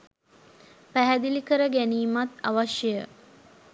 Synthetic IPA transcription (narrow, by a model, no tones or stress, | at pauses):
pæɦæd̪ilikəɾəɡæniːmat̪a̰ʋaʃjəjə